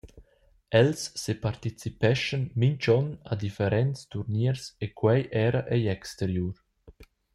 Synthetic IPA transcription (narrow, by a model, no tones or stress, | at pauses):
ɛlsːepaɾt̪it͡sipɛʃənmint͡ʃɔna̰d̪ifeɾɛntst̪uɾniəɾsekwɛjʔɛɾəʔɛjɛkst̪eɾjuːɾ